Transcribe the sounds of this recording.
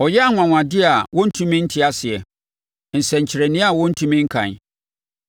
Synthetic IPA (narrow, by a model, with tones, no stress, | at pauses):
ɔ˨jɛ˦a˨ŋʷ˨ã˨ŋʷã˨dɪ˦a˨wʔɔ̃˦n̩˦tʰũ˦mĩ˦n̩˦tʰɪ˦a˦sɪ˨ɛ˨ | n̩˨sɛ̃˨ɲ˨t͡ɕʰɪ˨ɾɛ˨nɪ̃˦a˨wɔ̃˦n̩˦tʰũ˦mĩ˦ŋ̩˦kʰã̰˨n